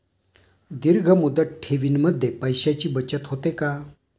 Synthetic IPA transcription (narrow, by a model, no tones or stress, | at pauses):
d̪iɾɡʱəmud̪ət̪̚ʈʰeʋiːnməd̪ʱːjepəjɕat͡ɕiːbət͡ɕət̪ɦot̪eka